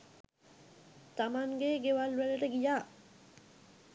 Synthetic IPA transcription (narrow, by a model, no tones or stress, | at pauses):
t̪amanɡeɡewalːuɾeləʈəɡijaː